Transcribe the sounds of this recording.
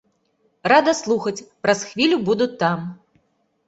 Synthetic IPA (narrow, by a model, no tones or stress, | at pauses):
rad̪ɐslˠuxɐt͡sʲpɾɐsxvʲilʲubud̪ut̪ːam